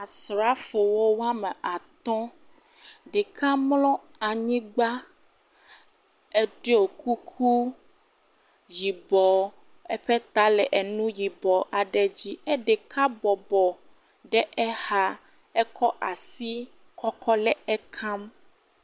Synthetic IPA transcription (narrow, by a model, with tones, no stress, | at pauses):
a˨sɾa˦fo˨wo˦wa˦mɛ˨a˨t̪ɔ̃˦ | ɖe˨kʰa˦mlɔ̃˦ | a˨ɲĩ˦ɡ͡ba˦ | ɛ˦ɖe˦o˨ku˦kʰu˦ | ji˨bɔ˨ | ɛ˦ɸɛ˦t̪a˦lɛ˨ʔɛ˨nũ˦ji˨bɔ˨ʔa˨ɖɛ˨d͡ʑi˦ɛ˦ɖe˨kʰa˦bɔ˨bɔ˨ | ɖɛ˦ʔɛ˦ha˦ | ɛ˦kɔ˦ʔa˨si˦ | kɔ˦kɔ˦lɛ˦ɛ˦kʰã˦m